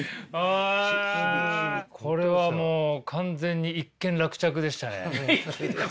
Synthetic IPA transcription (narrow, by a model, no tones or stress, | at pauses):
a | kʰo̞ɾe̞βamoːkʰãnd͡zẽ̞ɲ̟ːiikːẽ̞nɾakɯ̟̥t͡ɕakɯ̟d̪e̞ɕi̥t̪anḛ